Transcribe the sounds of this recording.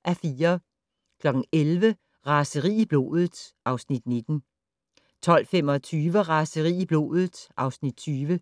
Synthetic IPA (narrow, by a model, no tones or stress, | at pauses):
ʔæfiːɐ | kʰlɒ̽ɡ̥n̩elʋə | ʁɑ̈səʁḭːib̥lo̝̰ːð̩ˠsʔɑ̈ʊsnid̥ne̝d̥n̩ | t͡sʰɒ̽l̰femɒ̽t͡sʰyːʋəʁɑ̈səʁḭːib̥lo̝̰ːð̩ˠʔɑ̈ʊsnid̥̚t͡sʰyːʋə